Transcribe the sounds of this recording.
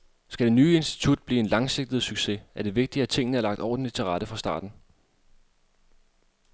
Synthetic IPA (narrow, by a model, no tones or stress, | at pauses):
sɡ̥æd̥e̝nyːe̝nsd̥i̥t͡sʰud̥̚b̥liːe̝nlɑ̈ŋse̝ɡ̥̚d̥ð̩ˠsyɡ̥se̝æɐɾ̥e̝ʋe̝ɡ̥̚d̥iæt͡sʰe̝ŋ̰nəæɐlɑ̈ɡ̥d̥ɒ̰ɐd̥enit͡sʰeʁɑ̈d̥əfʁɑ̈sd̥ɑ̰̈ːd̥n̩